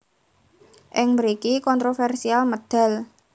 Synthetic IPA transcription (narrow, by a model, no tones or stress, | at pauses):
ʔɪŋməɾikikɔnt̪ɾofɛrsialməd̪̥a̤l